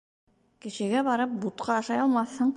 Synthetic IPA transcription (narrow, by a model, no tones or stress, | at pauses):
kɘ̆ɕɘ̆ɡæβɑɾɤp̚but̪̚qɑɑʃɑjɑlˠmɑθhɤɴ